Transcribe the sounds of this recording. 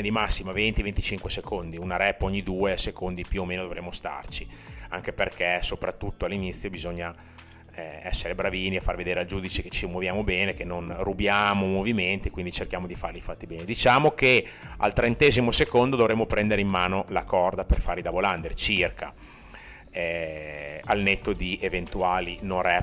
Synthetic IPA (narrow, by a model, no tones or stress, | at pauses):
d̪imasːimavent̪ivent̪it͡ʃiŋkwesekʰond̪iunaɾɛpːoɲːid̪uːesekond̪ipjuomeːnod̪ovɾemːost̪a̰rt͡ʃiaŋkeperkɛsopɾat̪ːut̪ːoalːinit̪sːjobizoɲːa | ɛsːeɾebɾaviːniafa̰rved̪eːɾeald͡ʒuːd̪it͡ʃeket͡ʃːimwovjaːmobɛːnekenːonrubjaːmomoviment̪iekwind̪it͡ʃerkjaːmod̪ifarlifat̪ːibɛːned̪it͡ʃaːmoke | a̰lt̪ɾent̪ɛːzimosekond̪od̪ovɾemːopɾɛnd̪eɾeimːaːnolakɔrd̪aperfaɾid̪aboland̪ert͡ʃirkʰa | ɛ | alnet̪ːod̪iʔevent̪uaːlinorɛ